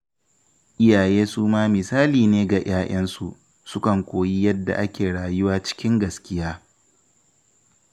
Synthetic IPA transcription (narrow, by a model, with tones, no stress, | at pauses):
ʔɪ˦jaː˨jeː˦suː˦maː˦mɪ˨saː˦liː˨neː˦ɡa˨j̰aː˦j̰ɐ˦nsu˨ʔ | sʊ˦kɐ˨ŋkʷoː˨ji˦jɐ˦dːa̰˨ʔa˦kʲeː˨ɽaː˨jʊ˦waː˦t͡ʃɪ̥˦kʲɪ˦ŋɡɐ˨skʲɪ˦jaː˦